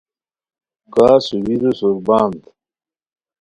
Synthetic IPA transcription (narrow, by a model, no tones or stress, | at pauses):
kaːsuwiɾusuɾbaːnt̪